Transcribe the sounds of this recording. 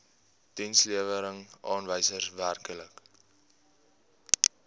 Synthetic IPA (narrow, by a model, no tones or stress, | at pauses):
tinsliəvəɾəŋɑːnvəjsərværkələk